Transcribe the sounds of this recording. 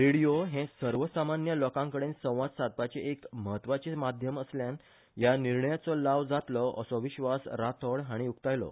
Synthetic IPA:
ɾiɽijoɦẽsəɾʋəsamanjəlɔkãŋkəɽensə̃w̃ʋad͡z̪sad̪̚pat͡ɕeʔekməɦət̪ːʋat͡ɕemad̪ʱjəməsljan | janiɾɳəjat͡sɔlaʋd͡zat̪lɔʔə̰sɔʋiɕʋasɾat̪ʰəɽɦaɽ̃iukt̪ajlɔ̰

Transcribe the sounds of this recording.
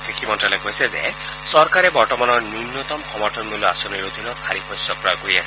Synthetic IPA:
kekʰimɔntɹalɔkoɦisɛzḛ | sɔɾkaɾɛbɔɹtɔmanɔɹnunjɔt̪ɔmxɔmɔʈʰɔnmulɔasɔniɾod̪ʱinɔt̪̚kʰaɾipʰɔjsjɔk̚pɹɔjɔɡoɾiasɛ

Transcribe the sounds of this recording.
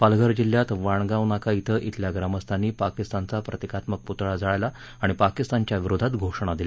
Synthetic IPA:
palɡʱəɾd͡ʑilːjat̪ʋaɳ̃ɡaʋnakait̪ʰəʔit̪ʰljaɡɾaməst̪ʰanːiːpakist̪ant͡sapɾət̪ekat̪mək̚put̪ɭad͡zaɭajla | aɽ̃ipakist̪ant͡ɕjaʋiɾod̪ʱat̪ɡʱoʂɳ̃ad̪ila

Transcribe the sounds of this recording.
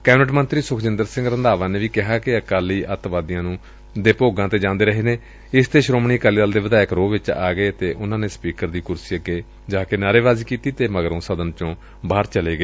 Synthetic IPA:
kɛːbnəʈmə̃nt̪ɾiːsʊkʰd͡ʒɪnd̪əɾsɪ̃ŋɡɾənd̪aːʋãːneːʋiːkɪɦaːkɪəkaːliːʔət̪ʋaːd̪ɪjãːnũː | d̪eːpoːɡãːt̪eːd͡ʒãːnd̪eːɾəɦeːneː | ɪst̪eːʃɾoːmɳ̃iːəkaːliːdəld̪eːʋəd̪aːɪkɾoːʋɪt͡ʃa̰ːɡəeːət̪eːʔʊnãːneːspiːkəɾd̪iːkʊɾsiːəɡeː | d͡ʒãːkenaːɾeːʋaːziːkiːt̪iːt̪eːməɡəɾõːsəd̪ənt͡ʃõː | baːɾt͡ʃəleːɡəeː

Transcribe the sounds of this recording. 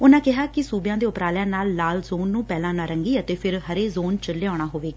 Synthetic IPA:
ʊnãːkɪɦaːkɪsuːbjãːd̪eːʊpɾaːljãːnaːlːaːlzoːnːũːpɛːlãːnãːɾəŋɡiːət̪eːpʰɪɾɦəɾeːzoːnt͡ʃəlːeːaːɽ̃aːɦoːʋeːɡaː

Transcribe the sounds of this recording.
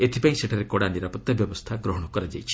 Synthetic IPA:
et̪ʰipaĩseʈʰaɾekɔɽaniɾapɔt̪ːjabjɔbɔst̪ʰaɡɾɔɦɔɽ̃ɔkɔɾad͡ʒajt͡ʃʰi̥

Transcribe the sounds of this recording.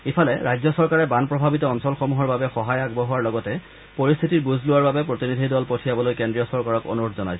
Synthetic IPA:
ipʰalɛɹajzɔsɔɹkaɹɛbanpɹɔbʱabitɔːnsɔlxɔmuɦɔɹbabɛxɔɦajaɡbɔɦʊwaɹlɔɡɔtɛ | poɹist̪ʰitiɹbuzʱlʊwaɹbabɛpɹotinid̪ʱidɔlpotʰijabɔlojkendɹijɔsɔɹkaɹɔko̰nuɹodʰzɔnajsɔ

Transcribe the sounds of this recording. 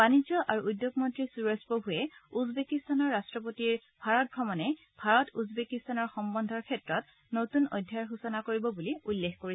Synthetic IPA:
b̥anizjɔʔaɹuudjoɡmɔntɹisuɹɔspobʱuɛuzbekistanɔɹːastɹɔp̬otiɹ | b̥ʱaɹɔt̚bɹɔmɔnɛ | b̥ʱaɹɔtuzbekistanɔɹxɔmbɔndʱɔɹkʰɛtɹɔt̚ | notunɔ̰jdʱːaɹɦusɔnakoɹibɔbuliulːexkoɹi

